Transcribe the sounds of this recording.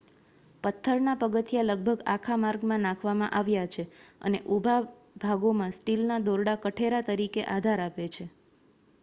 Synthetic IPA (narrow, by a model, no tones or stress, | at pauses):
pət̪ʰːəɾnapəɡət̪jaləɡ̚bʱəɡakʰamaɾɡmãnãkʰʋamã̰ʔaʋjat͡ʃʰeə̰neʔubʱa | bʱaɡomãsʈilnad̪oɾɽakəʈʰeɾat̪əɾikeʔad̪ʱaɾapet͡ʃʰe